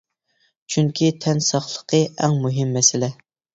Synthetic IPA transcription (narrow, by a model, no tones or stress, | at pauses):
t͡ʃʰyŋkʲit̪ʰɛnsɑχlˠə̥qʰəʔɛŋmuɦɪmːɛsɪlɛ